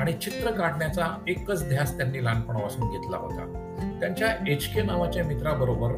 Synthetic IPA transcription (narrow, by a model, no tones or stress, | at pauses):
aɽ̃it͡ɕit̪ɾəkaʈɳjat͡saekːət͡sd̪ʱjast̪janːiːlanpəɳʋasuːnɡʱet̪la̰ɦo̰t̪a̰ | t̪jaɲt͡ɕjaet͡ɕkenaʋat͡ɕjamit̪ɾabəɾobəɾ